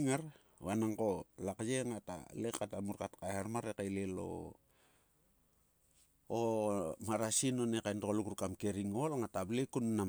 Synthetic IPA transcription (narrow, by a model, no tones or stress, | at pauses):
ŋaɾ | βanaŋko̞lakd͡ʒeŋata̰lekːatamuɾkatkajaɾmaɾekalelo̰ | omaɾasinonekajndokolukuɾukamke̞ɾiŋolŋatablekunːa